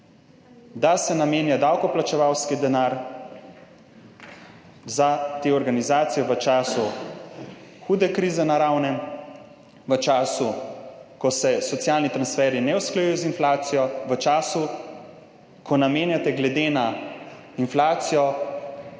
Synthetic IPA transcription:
d̪asɛnameːnjad̪awkɔplat͡ʃɛʋawskid̪ɛnaːɾ | zat̪eːɔɾɡanizaːt̪sijɛʋət͡ʃaːsu | xuːd̪ɛkɾiːzɛnaɾawnɛm | ʋət͡ʃaːsukɔsɛsɔt̪sjaːlnit̪ɾansfɛːɾinɛusklajuːjɔzinflaːt̪sijɔʋət͡ʃaːsu | kʰɔnameːnjat̪ɛɡlɛd̪eːna | inflaːt̪sijɔ

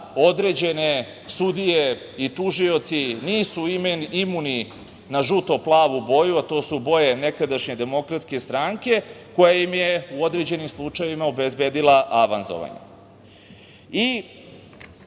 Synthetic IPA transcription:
o̞d̪ɾed͡ʑe̞ne | sud̪ije | it̪uʒio̞t̪siniːsuimenimuni | naʒut̪o̞plˠaːʋubo̞juat̪o̞ːsubo̞jene̞kad̪aʃɲe̞d̪e̞mo̞kɾat̪ske̞st̪ɾaŋke̞ko̞jajimjeuo̞d̪ɾe̞d͡ʑe̞nimslˠut͡ʃajʋimaobezbed̪ilˠaʔaʋanzo̰ʋa̰ɲḛ | i

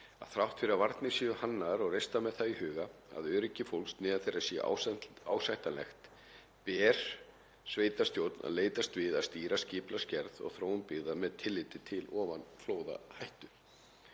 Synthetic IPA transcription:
a̰ðθɾawht̪fɪɾɪɾavaɾt̪nɪsiʏhanːaɾɔɣrejst̪amɛðθaihʏːɣaa̰ðœːɾɪcːɪfowlst̪nɪːðaθejɾasɛ̰ʔa̰aːwsajht̪alɛ̰xt̪ | pɛːɾ̥ | sveːjt̪ast̪jowt̪na̰ðleːjt̪ast̪vɪðaðst̪iːɾascɪːplascɛɾðɔ̰ɣθɾoːwʏnpɪɣðamɛðt̪ʰɪlːɪːt̪ɪt̪ʰɪlɔːvanfloːwða̰hajht̪ʏ

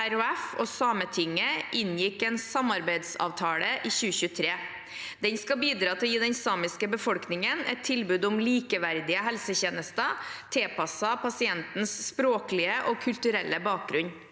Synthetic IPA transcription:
æɾʉɛfɔsɑːmət̪ʰɪŋːəʔɪnjɪkːɛːnsɑmɑɾbæɪd̪sɑ̰ːʋt̪ʰɑːləʔiːçʉːəçʉːət̪ʰɾeː | d̪̥ɛnskɑbiːd̪ɾɑːt̪ʰɪljiːd̪ɛnsɑːmɪskəbəfɔlknɪŋənɛ̰t̪ʰːɪlbʉːd̪ʊmliːkəʋæɾd̪ɪəɦɛlsəçeːnəst̪ət̪ʰeːpʰɑsɑpʰɑsɪɛnt̪n̩sːpɾoːkəlɪəʔɔkʰʉlt̪ʉɾɛlːəbɑːk̚ɡɾʉɲ

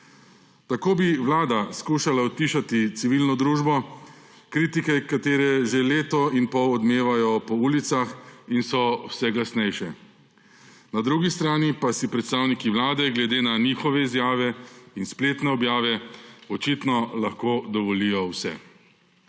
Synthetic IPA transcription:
t̪akoːbiʋlaːd̪askuːʃalaɔt̪ːiːʃat̪it̪siʋilnɔd̪ɾuːʒbɔ | kɾiːt̪ikɛkat̪eːɾɛʒeleːt̪ɔinpɔwɔd̪meːʋajɔpɔuːlit̪saxinsɔwsɛɡlasnɛjʃɛ | nad̪ɾuɡist̪ɾaːnipasipɾɛt̪st̪aːwnikiʋlaːd̪ɛɡlɛd̪eːnaniːxɔʋɛizjaːʋɛinspleːt̪nɛɔbjaːʋɛɔt͡ʃit̪nɔlaxkod̪ɔʋɔlijɔwsɛ̰

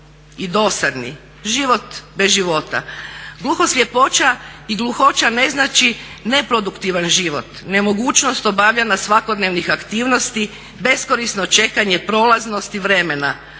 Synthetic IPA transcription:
id̪o̞ːsad̪nḭ | ʒiʋo̞t̪bezʒiʋo̞t̪a̰ɡluxosʎʲepo̞t͡ʃaiɡlˠuxo̞t͡ʃane̞znat͡ʃi | ne̞pɾo̞d̪ukt̪iʋanʒiʋot̪ne̞mo̞ɡuːt͡ʃno̞st̪o̞baʋʎanasʋakod̪neʋnixakt̪iːʋno̞st̪i | be̞sko̞ɾisno̞t͡ʃe̞kaɲepɾo̞ːlaznost̪iʋɾe̞me̞na

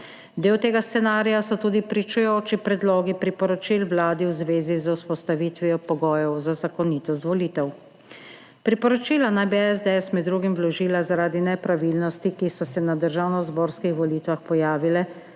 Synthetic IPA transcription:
d̪eːwt̪eːɡast̪sɛnaːɾijasɔt̪uːd̪ipɾit͡ʃujoːt͡ʃipɾɛd̪lɔːɡipɾipɔɾɔt͡ʃilwlaːd̪iwzʋeːzizawspɔst̪aʋit̪ʋiɔpɔɡɔːjɔwzazakɔniːt̪ɔst̪ʋɔliːt̪ɛw | pɾipɔɾɔt͡ʃiːlanajbiɛzd̪ɛɛsmɛd̪d̪ːɾuːɡimwlɔʒiːlazaɾaːd̪inɛpɾaʋilnɔst̪ikisɔsɛnad̪əɾʒaːwnɔzboːɾskixʋɔlit̪ʋaxpɔjaːʋilɛ

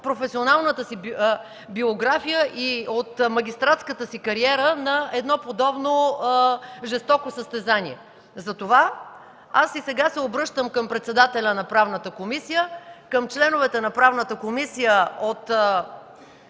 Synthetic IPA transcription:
pɾofɛsionalˠnət̪əsi | bioɡɾafijəʔiot̪mɐɡʲist̪ɾat̪skət̪əsikɐɾiɛɾənɐɛd̪nɔpod̪ɔbno | ʒɛst̪ɔkosəst̪ɛzaniɛ | zɐt̪ova | asisɛɡasɛobɾɤʃt̪əmkəmpɾɛt̪sɛd̪at̪ɛlʲənɐpɾavnət̪əkomisijəkəmt͡ʃlɛnovɛt̪ɛnɐpɾavnət̪əkomisijəot̪

